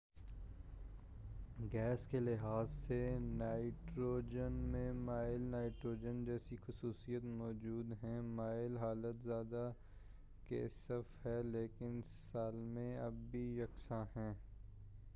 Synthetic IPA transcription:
ɡɛːskelɪɦaːzsenaːɪʈɾoːd͡ʒənmẽmaːɪlnaːɪʈɾoːd͡ʒənd͡ʒɛːsixʊsuːsijət̪mɔːd͡ʒuːd̪ɦɛ̃maːɪlɦaːlət̪zjaːd̪a | kḛːsəfɦɛleːkɪnsaːlmẽɐbbijɐksãɦɛ̃ː

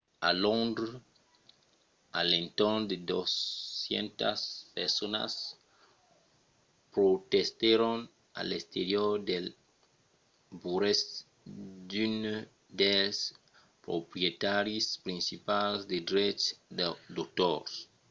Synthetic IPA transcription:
a̰lõnd̪ɾ | a̰lẽnt̪oɾd̪ed̪osjḛ̃nt̪aspeɾsona̰s | pɾot̪est̪eɾon | a̰lest̪eɾjoɾd̪el | buɾes | d̪yn | d̪es | pɾo̰pɾjet̪aɾjispɾĩnsipalzd̪ed̪ɾet͡ʃdd̪ot̪oɾs

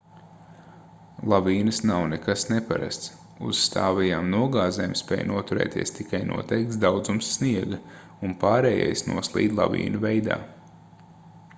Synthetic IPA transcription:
lˠaviːnɐsnawnɛkasnɛpa̰ɾa̰st̪s | uz̥st̪ʰaːvɛjaːmnuɔɡaːzɛːmspɛ̰ːjnuɔt̪uɾɛ̰ːt̪iɛst̪ikajnṵɔt̪ɛjk̚t̪sd̪awd̪zumsːniɛɡɐ | unpaːɾɛːja̰jsnṵɔslˠḭːd̪lˠa̰vḭːnuvɛjd̪a̰ː

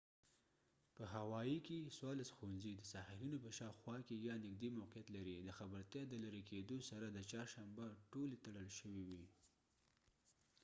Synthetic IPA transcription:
pəɦawɑjikeswɑlasxowanzid̪əsɑhalinopəʃɑwxwɑkejɑnɪɡ̚d̪imawqijat̪laɾid̪əxabəɾt̪jɑd̪əlaɾeked̪osaɾad̪ət͡ʃɑɾʃambaʈolet̪aɽəlʃəwiwi

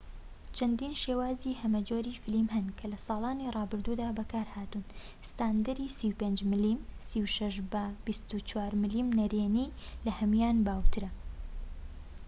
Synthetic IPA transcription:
t͡ʃʰɐnd̪iːnʃeːwaːzihɐmɐd͡ʒoːɾifɪlimhɐnkʰɐlɐsɑːlˠaːnirˤɑːbɨɾd̪uːd̪aːbɐkʰaːɾhaːt̪un | sɨ̥t̪aːnd̪ɐɾiːsiːwpeːnd͡ʒmɨlimsiwʃɐʃbɐb̥ist̪ut͡ʃwaːɾmɨliːmnɐɾeːniːlɐhɐmjaːnbaːwt̪ʰɨɾɐ

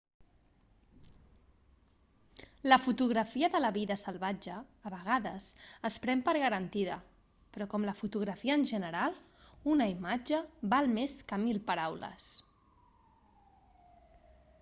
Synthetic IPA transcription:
ləfut̪uɣ̞ɾəfiəðələβiðəsəlˠβad͡ʒəːβəɣ̞aðəsəspɾɛmpəɾɣəɾənt̪iðə̰ | pɾɔkɔmləfut̪uɣ̞ɾəfiəːnʲʒənəɾalˠ | unəimad͡ʒəβalˠmeskəmilˠpəɾawlə̰s

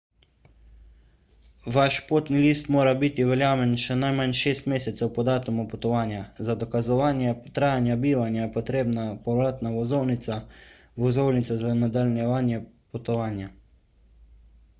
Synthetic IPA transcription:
ʋaʃpoːt̪niliːst̪moːɾabit̪iʋɛljaːmɛnʃɛnajmanʃeːst̪meːsɛt̪sɛwpɔd̪aːt̪umupɔt̪ɔʋaːnjazad̪ɔkazɔʋaːnjɛt̪ɾaːjanjabiːʋanjajɛpɔt̪ɾeːbnapɔɾaːt̪naʋɔzownisa | ʋɔzownit̪sazanad̪alnjɛʋaːnjɛpɔt̪ɔʋaːnja

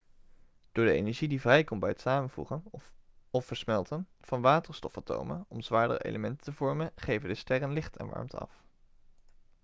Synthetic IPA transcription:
d̥ʊːɹdəejnɛɹʒidivrɛjkɔmbɛjətsaːmənvṵχən | ɔfəɹsmɛlˠtənv̥ɑnʋaːtəɹstɔfato̰wmə̰nɔmzʋaːɹdə̰rəʔḛjləmɛntətəvɔɹmənχejvəndəstɛrənlɪχtɛ̰nʋɑ̰ɹmtɑ̰f

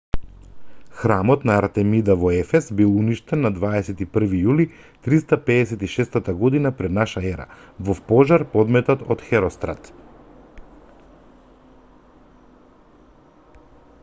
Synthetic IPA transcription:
xɾamɔt̪naːɾt̪ɛmid̪avɔɛfɛsbilˠuniʃt̪ɛnːad̪vaɛsɛt̪ipr̩vijuli | t̪ɾist̪apɛdɛsɛt̪iʃɛst̪at̪aɡɔd̪inapɾɛd̪naʃaɛɾa̰vɔpɔʒaɾpɔd̪mɛt̪at̪ɔt̪xɛɾɔst̪ɾat̪

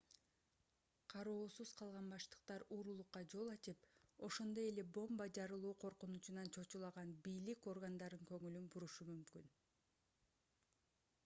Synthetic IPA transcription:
qʰɑɾoːsuz̥qʰɑlˠʁɑnbɑʃt̪ɯ̥q̚t̪ɑɾuːɾulˠuqːɑd͡ʒo̞lˠɑt͡ʃipo̞ʃo̞nd̪o̞je̞le̞bo̞mbɑd͡ʒɑɾɯlˠuːqʰo̞ɾqunut͡ʃunɑnt͡ʃʰo̞t͡ʃulˠɑʁɑnbijliko̞rɡand̪ɑɾɯŋkø̞ŋylynbuɾuʃumymkyn

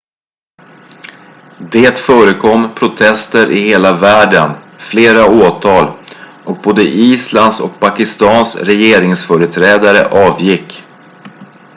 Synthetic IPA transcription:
d̪eːt̪fœːɾəkʰɔmːpʰɾʊt̪ʰɛst̪əɾʔɪheːlavæːɖən | fleːɾaoːt̪ʰɑːl | ʔɔk̚boːd̪əʔiːsland̪sɔ̰k̚pʰakɪst̪ɑːnsɾɛjeːɾɪŋsfœːɾət̪ʰɾɛːd̪aɾə̰ʔɑːvjɪkː

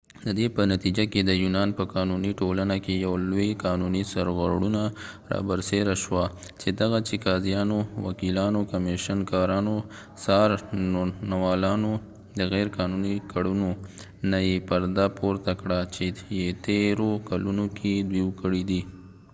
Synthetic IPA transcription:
d̪əd̪epənat̪id͡ʒaked̪əjunɑnpəkɑnuniʈolanakejawlojkɑnunisaɾɣəɽunaɾɑ̰bəɾseɾaʃwa | t͡ʃed̪aɣat͡ʃikɑzjɑnowa̰kilɑnokameʃənkɑɾɑno | sɑɾnonawɑlɑno | d̪əɣɛɾkɑnunikaɽuno | najepaɾd̪apoɾt̪akɽat͡ʃejet̪eɾokalunokʰed̪wiwkəɽid̪i

